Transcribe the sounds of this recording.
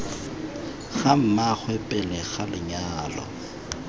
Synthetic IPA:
ɣam̩mak͡xʰwɛpʼɛlɛɣalɪɲaːlɔ̰

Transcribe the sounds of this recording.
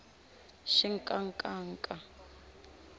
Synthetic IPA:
ʃiŋ̩kʼaŋkʼaːŋkʼa

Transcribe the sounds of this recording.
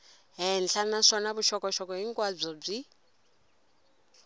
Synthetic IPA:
ɦɛnɬʰanaʂɔnaβuʃɔkʼɔʃɔkʼɔɦiŋkʼwab͡ʐɔb͡ʐi

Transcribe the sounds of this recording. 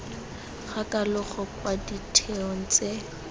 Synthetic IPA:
χakʼalʊχɔkʼwaditʰeɔn̩t͡sʼe

